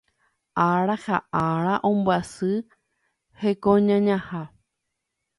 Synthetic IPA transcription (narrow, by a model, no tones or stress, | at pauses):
ʔaɾahaʔaɾaʔõmbasɨ | hekõɲãɲãha